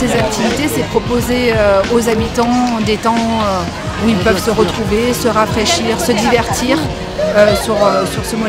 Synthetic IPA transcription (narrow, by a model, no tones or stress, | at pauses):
sezak̚t̪ivit̪esɛpχɔpozeøozabit̪ɑ̃d̪et̪ɑ̃ø | uilpœvsəʁət̪χuvesəʁafχeʃiːʁsəd̪ivɛʁt̪ʰiːʁ | øsyʁøsyʁsəmɔ